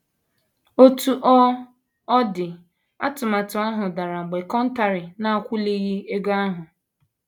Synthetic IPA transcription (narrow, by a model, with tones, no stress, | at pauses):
o˦tu˦ʔɔ˦ | ɔ˦dɪ˨ | a̰˦tʊ˨ma˨tʊ˨a˦ɦʊ˨da˨ɾa˨ŋ͡m̩˨ɡ͡be˨kɔ˦n̩˦ta˨ɾɪ˨na˦˨kʷu˦le˦ɣi˦e˦ɡa˦ɦʊ˨